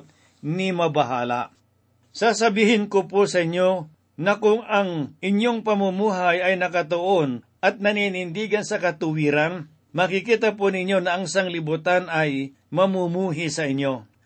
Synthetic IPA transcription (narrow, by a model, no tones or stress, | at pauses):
t̪̚ | nɪmɐbɐɦa̰ːla̰ | sasɐbiːhɪnkoposɐɪɲjo̞ | nɐkʊŋɐŋʔɪɲjoŋpɐmumuːɦajɐjnɐkɐt̪oʔon | ʔɐt̪̚nɐninɪnd̪iːɡɐnsɐkɐt̪ʊwiːɾan | mɐkɪkiːt̪ɐponɪɲjo̞nɐɐŋsaŋlɪbut̪anɐj | mɐmumuːɦɪsɐʔɪɲjo̞